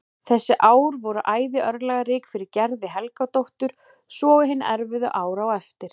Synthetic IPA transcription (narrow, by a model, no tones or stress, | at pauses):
θɛsːɪʔaːwɾvɔɾʏʔaːjðɪʔœɾlɛːɣaɾɪːkfɪɾɪɾcɛɾðɪɦɛlkat̪owht̪ʏɾ̥ | sɔːɣʏɦɪn̰ːɛɾvɪðʏ̰ʔaːwɾawɛft̪ɪɾ̥